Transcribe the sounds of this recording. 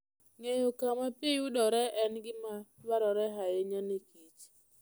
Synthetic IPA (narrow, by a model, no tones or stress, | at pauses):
ŋejokamapjejudɔɾɛʔɛnɡɪmabaɾɔɾɛɦajeɲanekit͡ʃ